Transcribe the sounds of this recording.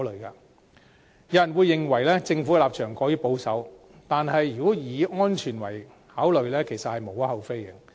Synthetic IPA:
lɵ˨ɥka̰ː˧ | jɐ˧˥jɐ˨˩nwuː˨˧jːɪ˨ŋwɐ˨˩jlɛː˥t͡sɪ˧ŋfuː˨˧˥kɛ˧laː˨p̚t͡ʃʰœː˨˩ŋkɔː˨˥jyː˧˥po˨˥wsɐ˨˥w | t̪aː˨nɦɐ˨jyː˨kɔː˨˥jiː˨˧ŋɔː˥nt͡ʃʰyː˨˩nwɐ̰˨˩j | haː˨˥wlɵ˨ɥlɛː˥kʰe˨˩jsɐ˨t̚hɐ˨jmo˨˩wɐ˥hɐ˨wfe˥jɐ˩

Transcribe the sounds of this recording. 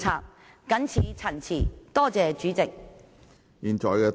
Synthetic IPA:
aː˧p̚ | kɐ˨˥nt͡sʰiː˨˧t͡sʰɐ˨˩nt͡sʰiː˨˩t̪ɔː˥t͡sɛː˨t͡ʃyː˨˥t͡sɪ˨k̚ | jiː˨˧nt͡ʃɔː˨˩jkɛː˧

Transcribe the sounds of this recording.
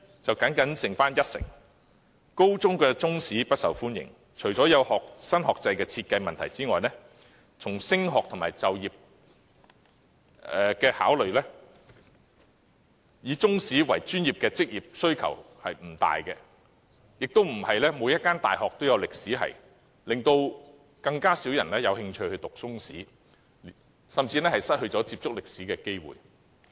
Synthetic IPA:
t͡sɐ˨wkɐ˨˥nkɐ˨˥nsɪ˨˩ŋfaː˥njɐ˥t̚sɪ̰˨˩ŋ | ko˥wt͡sʊ˥ŋkɛː˧t͡sʊ˥ŋsiː˨˥pɐ˥t̚sɐ˨˩wfuː˥njɪ̰˨˩ŋ | t͡ʃʰɵ˨˩ɥt͡sɔː˨˥jɐ˨˧whɔː˨k̚sɐ˥nhɔː˨k̚t͡sɐ˧jkɛː˧t͡sʰiː˧t̚kɐ˧jmɐ˨nt̪ʰɐ˨˩jt͡siː˥ŋɔː˨jnɛː˥ | t͡sʰʊ˨˩ŋsɪ˥ŋɦɔː˨k̚t̪ʰʊ˨˩ŋmaː˨˩jt͡sɐ˨wjiː˨p̚ | ɛː˨kɛː˧ha̰ː˨˥wlɵ˨ɥlɛː˥ | jiː˨˧t͡sʊ˥ŋsiː˨˥wɐ̰˨˩jt͡ʃyː˥njiː˨p̚kɛː˧t͡sɪ˥k̚jiː˨˩p̚sɵ˥ɥkʰɐ̰˨˩w | hɐ˨jm̩˨˩t̪a̰ː˨jkɛ˧ | jɪ˨k̚t̪o˥wm̩˨˩hɐ˨jlɛː˥moː˨˧jɐ˥t̚kːaː˥nt̪aː˨˩jɦɔː˨k̚t̪o˥wjɐ˨˧wlɪ˨k̚siː˨˥ɦɐ̰˨˩j | lɪ˨ŋt̪o˧w | kɐ˧ŋkaː˥siː˨˥wjɐ˨˩nlɛː˥jɐ˨˧whɪ˧ŋt͡ʃʰɵ˧ɥhɵ˧ɥt̪ʊ˨k̚t͡sʊ˥ŋsḭː˨˥ | sɐ˨mt͡siː˧nɛː˥hɐ˨jsɐ˥t̚hɵ˧ɥt͡sɔː˨˥t͡siː˧p̚t͡sʊ˥k̚lɪ˨k̚siː˨˥kɛː˧ke˥jwṵː˨˩j

